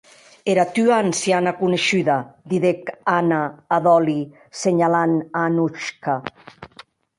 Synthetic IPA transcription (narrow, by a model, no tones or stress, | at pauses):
eɾat̪yaːnsjanakuneʃyðad̪iðekanaːðɔli | seɲalananuʃka